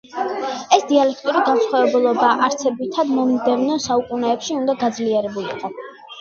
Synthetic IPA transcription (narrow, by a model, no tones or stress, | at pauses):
ɛsd̪ialɛkʰt̪ʼuɾiɡansχavɛbulˠɔbaʔaɾt̪sʰɛbit̪ʰad̪mɔmid̪ɛvnɔnsaukʼunɛːpʃiund̪aɡad̪zliɛɾɛbulḭqʼɔ